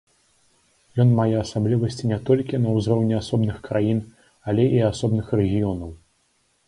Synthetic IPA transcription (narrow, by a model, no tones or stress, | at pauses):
jɔnmajɛasablʲivɐsʲt͡sʲinʲɛt̪ɔlʲkʲinɐwzrɔwnʲɛasɔbnɨxkɾajin | alʲɛʔiasɔbnɨxrɛɣʲijɔnɐw